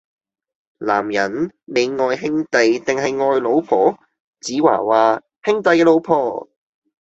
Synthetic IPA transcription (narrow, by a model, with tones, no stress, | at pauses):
la̰ː˨˩mjɐ˨˩nle˨˧jŋɔː˨˧jɦɪ˥ŋt̪ɐ˨jt̪ɪ˨˩ŋɦɐ˨jŋɔː˧jlo˨˧wpʰɔː˨˥ | t͡siː˨˥wa̰ː˨˩waː˨˧ | hɪ˥ŋt̪ɐ˨˧jkɛː˧lo˨˧wpʰɔː˨˧